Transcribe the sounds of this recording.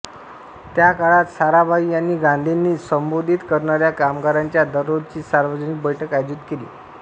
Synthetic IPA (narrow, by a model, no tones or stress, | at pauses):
t̪jakaɭat̪saɾabʱaiːjanːiːɡãnd̪ʱinːiːsəmbod̪ʱit̪kəɾɳaɾjakamɡaɾaɲt͡ɕjad̪əɾot͡ɕiːsaɾʋəd͡ʑənik̚bəjʈʰəkajd͡ʑut̪kelḭː